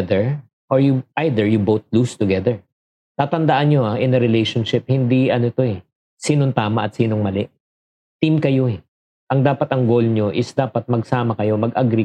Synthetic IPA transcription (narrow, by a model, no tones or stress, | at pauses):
d̪ɛɹ | ʔoɹjuʔajd̪ɛɹjʊbowθ̚lust̪ʊɡɛðɛɹ | t̪aːt̪ɐnd̪ɐʔanɲo̞ʔaʔɪnɐɾɪlejʃonʃɪp̚hɪnd̪iʔɐnot̪o̞ɛ | siːnoŋt̪aːmɐʔɐt̪siːno̞ŋmɐlɪʔ | t̪imkɐjo̞ɛ | ʔɐŋd̪aːpɐt̪ɐŋɡo̞lɲo̞ʔɪsd̪aːpɐt̪̚mɐɡsaːmɐkɐjo̞mɐɡʔɐɡɾɪ